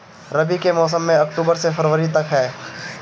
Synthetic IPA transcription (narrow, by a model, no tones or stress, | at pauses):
ɾɐbikemɔːs̬əmːẽɐkʈuːbəɾsefɐɾʋəɾit̪ɐkɦɛː